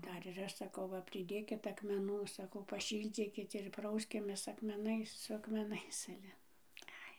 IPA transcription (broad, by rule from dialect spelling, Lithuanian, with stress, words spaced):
ˈdɐr ɪr ˈɐʃ sɐˈkɐʊ ˈʋɐ pʲrʲɪˈdʲeːkʲɪt ɐkmʲɛˈnuː sɐˈkɐʊ pɐˈʃʲiːlʲd͡zʲiːkʲɪt ɪr ˈprɐʊsʲkʲɪmʲeːs ɐkmʲɛˈnɐɪs sʊ ɐkmʲɛˈnɐɪs ˈɑːlʲɛ ˈɐɪ